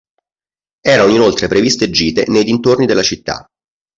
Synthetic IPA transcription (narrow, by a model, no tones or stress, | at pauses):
ɛːɾanoinolt̪ɾepɾevist̪ed͡ʒːiːt̪enejd̪int̪ornid̪elːat͡ʃit̪ːa̰